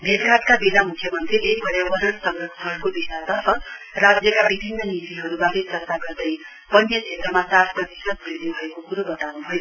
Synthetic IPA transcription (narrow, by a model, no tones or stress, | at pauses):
bʱedɾat̪̚kabid̪amukʰːjʌmʌnt̪riek̚bʱʌɾjabʌɾʌnsʌŋrʌksʰɦʌɾukobisat̪ʌtʌrad͡zjʌkabibʱinːʌnit̪iɦʌɾubadetʌt̪aɡʌrd̪ʌj | bʌnjʌt͡ʃʰet̪rʌmasat̪ʰprʌt̪isʌt̪̚biɾnibʱʌekokuɾobʌt̪awnubʱʌjo